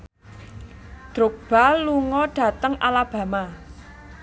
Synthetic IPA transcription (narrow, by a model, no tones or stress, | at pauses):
d̪̥ɾok̚b̥aluŋɔɖ̥ä̤t̪əŋʔalab̥ä̤ma